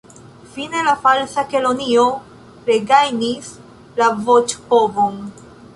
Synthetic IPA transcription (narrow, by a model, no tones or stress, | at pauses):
fine̞lafalsakelo̞nio | ɾeɡajnis | lavot͡ʃhobon